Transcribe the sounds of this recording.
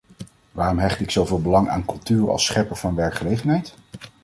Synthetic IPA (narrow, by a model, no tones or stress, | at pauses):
ʋaːrɔmɦɛχtɪksowveːlˠbəlɑŋa̰ːnkɵlˠtyːrɑ̰lˠsχɛpəɹvɑnʋɛɹkχəlejχənɦɛjt